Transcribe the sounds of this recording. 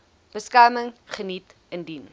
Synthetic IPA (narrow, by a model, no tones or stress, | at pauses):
b̥əskɐːməŋχənit | əndin